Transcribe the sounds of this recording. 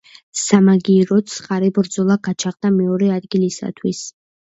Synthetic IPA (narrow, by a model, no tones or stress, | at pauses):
samaɡiɾɔt̪sqʼaɾɛbɾd̪zɔlˠaɡat͡ʃʰaχd̪amɛɔɾɛad̪ɡilisa̰t̪ʰwis